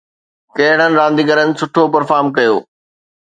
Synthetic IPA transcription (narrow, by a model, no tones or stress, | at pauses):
kɐɦɪɽ̤̃ənɪ̆ɾãːnd̪iːɡəɾənɪ̆sʊʈʰopɐɾfaːɾmkɐjoː